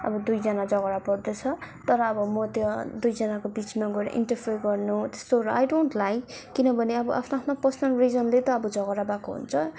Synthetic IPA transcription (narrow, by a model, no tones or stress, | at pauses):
ʌ̰bʌd̪ujd͡zʌnad͡zʌɡʌɾapʌrd̪ʌt͡sʰʌt̪ʌɾʌːbʌmʌt̪jʌd̪ujd͡zʌnakobit͡smaɡʌɾ̰ʔḭnʈʌrpʰeɾɡʌrnut̪e̥st̪oɾʌajɖonʈlajkː | inʌbʱʌneʌbʌʔa̰pʰnaapʰnapʌsnʌlrid͡zʌnlet̪ʌːbʌd͡zʌɡʌɾabakoɦṵnt͡sʰʌ